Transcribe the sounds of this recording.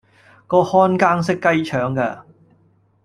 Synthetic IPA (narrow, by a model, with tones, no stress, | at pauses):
kɔː˧hɔː˥nkaː˥ŋsɪ˥kːɐ˥jt͡ʃʰœː˨˥ŋkɛː˧